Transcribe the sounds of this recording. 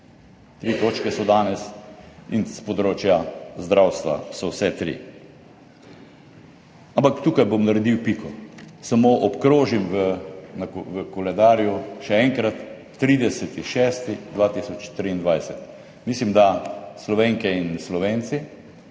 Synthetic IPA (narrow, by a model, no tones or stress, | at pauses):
t̪ɾiːt̪oːt͡ʃkɛsɔd̪aːnɛsinspɔd̪ɾoːt͡ʃjazd̪ɾawst̪ʋa̰sɔwsɛt̪ɾḭ | ampakt̪uːkajbomnɐɾɛd̪iwpikʰɔsamoːʔɔpkɾoːʒimʋənakʋəkɔlɛd̪aːɾjuʃɛɛŋkɾat̪ː | ɾiːd̪ɛsɛt̪iʃɛːst̪id̪ʋat̪isɔt͡ʃt̪ɾind̪ʋajsɛt̪ | mislimd̪aslɔʋeŋkɛinslɔʋent̪si